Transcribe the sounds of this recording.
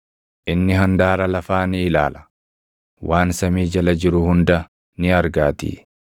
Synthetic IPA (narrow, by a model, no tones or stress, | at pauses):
ʔɪnːɪɦɐnd̪aːɾɐlɐfaːnɪɪla̰ːlɐ̥ | waːnsɐmiːd͡ʒɐlɐd͡ʒɪɾʊhʊnd̪ɐ | nɪɐɾɡaːt̪ḭː